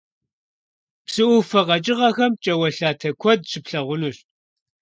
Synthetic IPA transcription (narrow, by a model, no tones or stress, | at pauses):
psɨʔʊfɐʁɐt͡ʃʼɪʁɐxɐmt͡ʃʼɐwɐɬaːtʰɐkʷʰɔd̚ɕɪpɬɐʁʷʊnuɕ